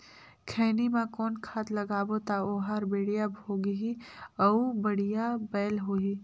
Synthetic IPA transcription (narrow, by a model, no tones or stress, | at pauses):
kʰeːnimãkɔːnkʰaːt̪lɐɡaːbot̪aoːɦaːɾbeːɽijabʱoːɡɦiəubəɽ̤ijabɛːlɦoːɦi